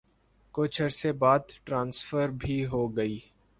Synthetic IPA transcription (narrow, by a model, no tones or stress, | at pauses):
kʊt͡ʃʰəɾsebaːd̪ʈɾãːnsfəɾbʱiɦoːɡəiː